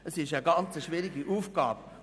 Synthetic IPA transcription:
əsɪʃəɡɑnt͡səʃviːɾiɡiʔuːfɡ̥ɑ̰ːb̥

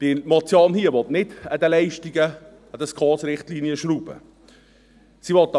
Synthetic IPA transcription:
d̥imɔt̪t͡sjoːnhiəʋɔt̪nɪdəd̪əlɛɪʃtiɡə | əd̥̪əskʰɑːsɾɪχtliːniəʃɾuːb̥ə̰ | siʋɔt̪̚ː

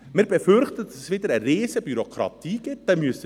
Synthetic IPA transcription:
mɪɾbɛfʏɾχtəd̥ɑsəsʋɪdəɾəɾeːzəbyɾokʰɾɑ̰t̪iːɡɪt̚d̥ɛmyəsə

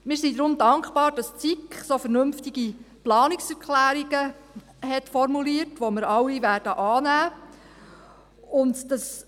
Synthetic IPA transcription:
mɪːɾsid̪ɾʊmdɑŋkχb̥ɑːɾd̥ɑst͡sikχsofɛɾnɵmftiɡ̥iplɑːniksɛɾkχlæːɾiɡ̥ə | ɦɛtfɔɾmuliːərtʋoməɾɑwːiʋæːrd̥əʔɑːnæː | ʊndd̥ɑs

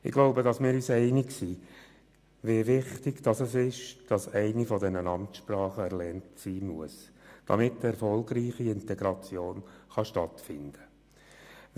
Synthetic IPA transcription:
ɪ̰ɡ̥loʊbədɑsmɪːɾyːsɛɪnɪksiː | ʋeːʋɪχtɪɡd̥ɑsɛsɪʃd̥ɑsɛɪnifɔdɛnənɑmtʃpɾrɑːχəɛɾlɛntsiːmuəsd̥ɑ̰mɪtːɛɾfɔlˠɡriːχiɪntɛɡɾɑt͡sjoːnχɑʃtɑtfɪnd̥ə

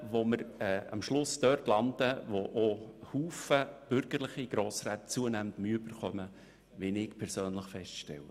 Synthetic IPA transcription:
ʋoməɾɛɑ̰mʃlʊsd̥̪œrtlɑnd̥əʋoʔohuːfəb̥ʏɾɡ̥əɾlɪχiɡ̥ɾoːsɾæːt̪t͡suənæməndmyəyb̥əɾχœmə | ʋɪnɪkpʰɛɾsøːnləχfɛstʃtɛ̰wə

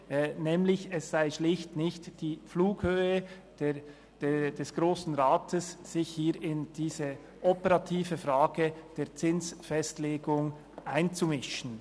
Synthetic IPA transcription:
nɛːmlɪçɛsz̥aɪʃlɪçtnɪçtd̥iːfluːkhøːəd̥e | d̥d̥ɛsɡ̥ʁoːsn̩ʁaːtʰəsːɪçhiːɪnd̥iːzə | ʔɔpəʁɑtʰiːvəfʁaːɡəd̥eːt͡sɪnsfɛstleːɡʊŋ | ʔaɪnt͡sumɪʃn̩

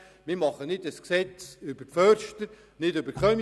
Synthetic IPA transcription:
mɪɾmɑχənɪdəsksɛt͡sʏb̥əfœɾʃtəɾ | nɪdʏbəɾkχœm

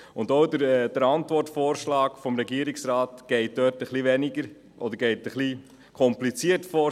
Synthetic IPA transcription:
ʊndoʊdəd̥əɾɑntʋɔɾtfoːɾʃlɑːkfɔmɾɛɡiəɾɪksɾɑːtɡ̥ɛɪt̚d̥øːtəχliʋɛniɡəɾ | ʔɔd̪əɾɡɛɪtəχli | kʰɔmplit͡siətfɔː

